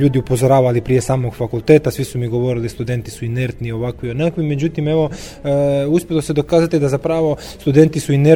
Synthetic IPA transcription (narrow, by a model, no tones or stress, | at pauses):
uːd̪iupo̞zoɾaːʋalipɾije̞saːmo̞ɡfakulˠt̪e̞ːt̪asʋisumiɡo̞ʋo̞ɾilist̪ud̪e̞nt̪isuineɾt̪nio̞ʋakʋionakʋime̞d͡ʑut̪ime̞ʋo̞ | uspʲjilosed̪o̞kaːzat̪id̪azapɾaːʋo̞ | st̪ud̪e̞nt̪isuine